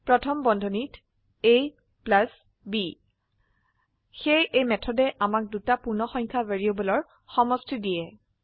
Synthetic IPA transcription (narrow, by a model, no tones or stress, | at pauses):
pɹɔtʰɔmbɔndʱɔnit | e | plas | bi | xejejmɛtʰɔdɛʔamak̚dutapuɹnɔxɔjŋkʰavaɹiobɔlɔɹ | xɔmɔstʰɹidijɛ